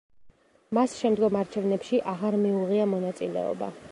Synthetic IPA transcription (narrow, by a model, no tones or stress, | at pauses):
masʃɛmd̪ɡɔmaɾt͡ʃʰɛvnɛpʃiʔaʁaɾmiuʁiamɔnat̪sʼilɛ̰ɔ̰ba̰